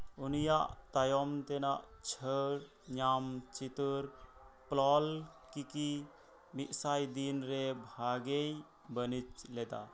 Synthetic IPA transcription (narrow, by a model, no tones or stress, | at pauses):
unijaʔt̪ajɔmt̪ɛnaʔt͡ʃʰəɾ | ɲamt͡ʃit̪uɾplɔlkiki | miʔ̪sajd̪inɾɛbʱaɡej | bənit͡ʃlɛd̪a̰